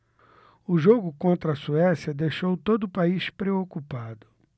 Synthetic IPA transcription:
ʊʒoɡʊkõnt̪ɾɐsuɛsjɐd̪ejʃowt̪od̪ʊːpaiʃpɾeokupad̪ʊ

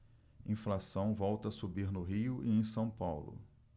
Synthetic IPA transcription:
ĩflasɐ̃w̃vɔwt̪ɐsubiɾnʊɦiʊʔiẽj̃sɐ̃w̃pawlʊ̰

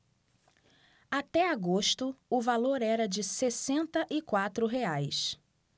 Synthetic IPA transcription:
at̪ɛaɡoʃt̪ʊʊvaloɾɛɾɐd͡ʒɪsesẽnt̪ɐʔɪkwat̪ɾʊɦeajs

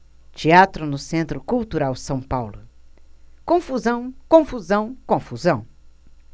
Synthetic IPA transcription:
t͡ʃiat̪ɾʊnʊsẽnt̪ɾʊkuwt̪uɾawsɐ̃w̃pawlʊ | kõfuzɐ̃w̃kõfuzɐ̃w̃kõfuzɐ̃w̃

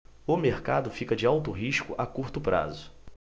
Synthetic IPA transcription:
ʊmeɾkad̪ʊfikɐd͡ʒɪawt̪ʊɦiʃkʊʔakuɾt̪ʊpɾa̰zʊ

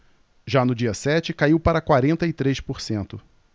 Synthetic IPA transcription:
ʒanʊd͡ʒiɐsɛt͡ʃɪkaiwpaɾɐkwaɾẽnt̪ɐɪt̪ɾeʃpoɾsẽnt̪ʊ

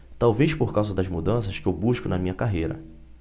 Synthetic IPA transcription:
t̪awvejʃpoɾkawzɐd̪ɐzmud̪ɐ̃sɐʃkɪewbuʃkʊnɐmĩɲɐkaɦejɾɐ̰

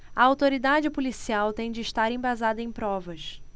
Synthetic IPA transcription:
ɐawt̪oɾid̪ad͡ʒɪpulisiawt̪ẽj̃d͡ʒɪːʃt̪aɾẽbazad̪ɐẽj̃pɾɔvɐʃ

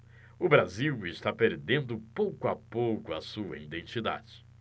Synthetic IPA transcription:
ʊbɾaziwɪst̪apeɾd̪ẽnd̪ʊpowkʊapowkʊɐsuɐ̰id̪ẽnt͡ʃid̪a̰d͡ʒɪ̥

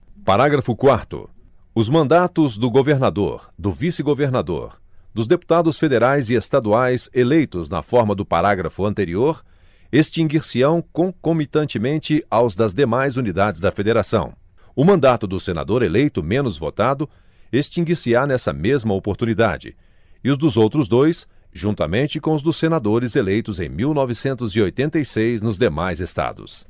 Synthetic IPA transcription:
paɾaɡɾɐfʊkwaɾt̪ʊ̰ | ʊzmɐ̃nd̪at̪ʊzd̪ʊɡoveɾnad̪o̰ɾd̪ʊvisɪɡoveɾnad̪o̰ɾ | d̪ʊzd̪epu̥t̪ad̪ʊsfed̪eɾajziest̪ad̪uajzelejt̪ʊznɐ̰fɔɾmɐd̪ʊpa̰ɾaɡɾɐfʊɐ̃nt̪eɾioɾ | est͡ʃĩŋɡiɾsiɐ̃w̃kõkomit̪ɐ̃nt͡ʃɪmẽnt͡ʃɪawzd̪ɐzd̪emajzunid̪ad͡ʒɪzd̪ɐfed̪eɾasɐ̰̃w̃ | ʊmɐ̃nd̪at̪ʊd̪ʊsena̰d̪oɾelejt̪ʊmẽnʊzvo̰t̪ad̪ʊ | est͡ʃĩɡiɾsianɛsɐ̰mezmɐopoɾt̪unid̪a̰d͡ʒɪ̰ | ɪʊzd̪ʊzowt̪ɾʊzd̪ojsʒũt̪ɐ̰mẽnt͡ʃɪkõʊzd̪ʊsːenad̪oɾɪzelejt̪ʊzḛ̃j̃miwnɔvɪsẽnt̪ʊziojt̪ẽnt̪ejsejznʊzd̪emajzest̪a̰d̪ʊ̰s

